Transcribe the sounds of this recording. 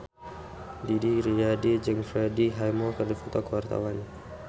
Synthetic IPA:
didiɾiadid͡ʒɨŋfɾɛdiɦajmɔkərdifɔt̪ɔkəwart̪a̰wan

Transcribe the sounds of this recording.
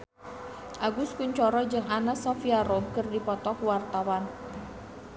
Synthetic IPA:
ʔaɡuskuɲt͡ʃɔɾɔd͡ʒɨŋʔanasɔfiaɾɔmkɨrdipɔt̪ɔkuwart̪awan

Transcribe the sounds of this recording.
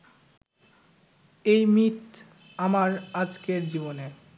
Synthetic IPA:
ejmit̪ | amaɾad͡ʑkeɾd͡ʑibone

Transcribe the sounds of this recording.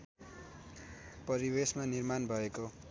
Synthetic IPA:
pʌɾibesmanirmanbʱʌeko

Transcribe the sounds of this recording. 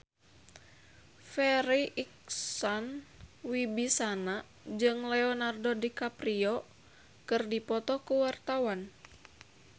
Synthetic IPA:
fɛɾiʔik̚sɔnwibisana | d͡ʒɨŋlɛɔnardodikapriɔ | kɨrdipɔt̪ɔkuwart̪awan

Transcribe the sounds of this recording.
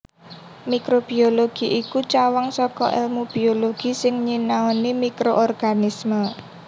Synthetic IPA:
mikɾob̥ioloɡ̥i̤ʔikut͡ʃawaŋsɔkɔ̰ʔɛ̰lmub̥ioloɡ̥i̤sɪŋɲinaɔnimikɾoʔɔrɡ̥anismə

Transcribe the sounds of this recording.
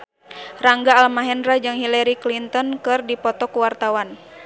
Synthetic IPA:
raŋɡaːlmaɦɛnrad͡ʒɨŋɦilaɾiklint̪ɔnkɨrdipɔt̪ɔkuwart̪awan

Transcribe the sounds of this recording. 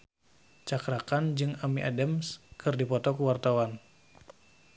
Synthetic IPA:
t͡ʃakɾakand͡ʒɨŋamiʔa̰damskɨrdipɔt̪ɔkuwart̪awan

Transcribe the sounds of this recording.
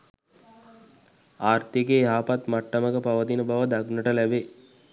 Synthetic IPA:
aːrt̪iɡejaːpat̪maʈːəməɡəpaʋəd̪inəbaʋəd̪aɡnəʈəlæbe

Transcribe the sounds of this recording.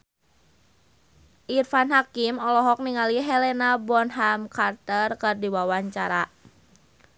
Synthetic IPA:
ʔirfanɦakimɔlɔɦɔk̚niŋaliɦɛlɛnabɔnɦamkart̪ərkɨrdiwawaɲt͡ʃaɾa

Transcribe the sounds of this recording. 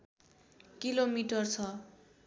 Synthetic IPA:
kilomiʈʌrt͡sʰʌ

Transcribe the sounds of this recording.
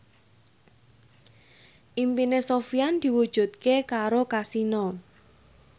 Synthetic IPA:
ʔimpinesofiand̪̥i̤wud̥ʒ̥ṳt̪̚kekaɾokasinɔ

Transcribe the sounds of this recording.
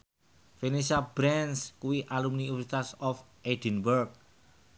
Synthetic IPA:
fenisabɾɛnskuwiʔalumniusit̪asɔfʔed̥inbərɡ̚

